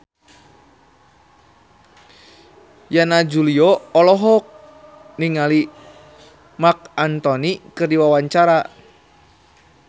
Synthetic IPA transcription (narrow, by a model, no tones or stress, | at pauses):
janad͡ʒuliɔɔlɔɦɔk̚ | niŋali | mak̚ant̪ɔnikɨrdiwawaɲt͡ʃaɾa